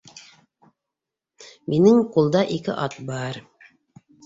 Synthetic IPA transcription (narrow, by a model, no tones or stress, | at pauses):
minɘŋqulˠd̪ɑʔikɘ̰ʔɑt̪̚bɑɾ